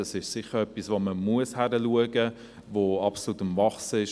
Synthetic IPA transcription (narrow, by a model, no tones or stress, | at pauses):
ɑsɪʃsɪχəɾœpːisʋoməmuəshæɾəluəɡə | ʋoɑpsolut̪əmvɑχsɪʃ